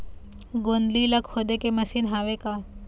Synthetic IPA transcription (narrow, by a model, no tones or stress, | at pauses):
ɡond̪lilɐkʰhod̪ekemɐsinɦaːʋekaː